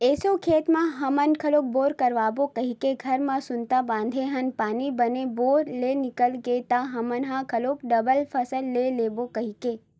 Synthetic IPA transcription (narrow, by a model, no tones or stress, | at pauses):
esokʰet̪mãɦəmənkʰəloboɾkəɾʋabokəɦikeɡʱəɾmãsʊnt̪abãnd̪ʱeɦənpaːnibəneboɾlenɪkəlɡet̪ãɦəmənɦãkʰəlopɖəbəlfʰəsəlːelebokəɦike